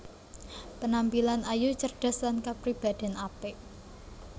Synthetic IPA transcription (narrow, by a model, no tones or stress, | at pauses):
pənampilanajut͡ʃərɖ̥a̤slankapɾib̥a̤d̪̥ɛ̤napeʔ